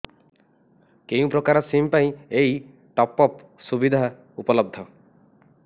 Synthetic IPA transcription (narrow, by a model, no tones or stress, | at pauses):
kew̃pɾokaɾɔsimpaĩej | ʈɔpɔp | subid̪ʱa | upɔlɔb̚d̪ʱːɔ